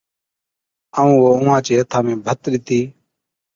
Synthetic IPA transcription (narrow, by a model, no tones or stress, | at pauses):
əũːʋoːʊːãːt͡ʃeːət̪ʰaːmẽːbʱət̪ɾiːt̪ʰiː